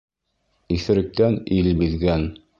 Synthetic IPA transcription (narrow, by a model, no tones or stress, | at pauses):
iθɘ̆ɾɘ̆k̚t̪ænilbiðɡæn